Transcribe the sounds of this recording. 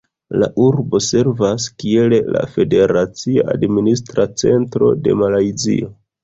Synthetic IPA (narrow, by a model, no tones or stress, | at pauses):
la̰ʔuɾbo̞se̞ɾvaskie̞lela̰fe̞de̞ɾat͡sia̰ʔadministɾat͡se̞̰ntɾo̞̰de̞̰malajzḭo̞